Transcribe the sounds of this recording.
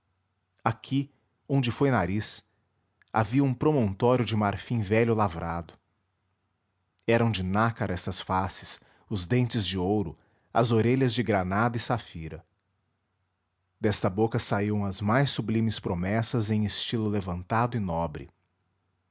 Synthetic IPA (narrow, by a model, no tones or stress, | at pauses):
akʰi | õñd͡ʒɪfojnaɾis | a̰viɐũpɾomõnt̪ɔɾjʊd͡ʒɪmaɾfĩvɛʎʊlavɾad̪ʊ | ɛɾɐ̃w̃d͡ʒɪnakaɾɛst̪ɐsfasɪ̥s | ʊzd̪ẽnt͡ʃɪzd͡ʒɪowɾʊ | ɐ̰zoɾeʎɐzd͡ʒɪɡɾanad̪ɐɪsafiɾɐ | d̪ɛst̪ɐbokɐsaiɐ̃w̃ɐzmajsublĩmɪspɾomɛsɐzẽj̃ɪst͡ʃilʊlevɐ̃nt̪ad̪ʊɪnɔbɾɪ̰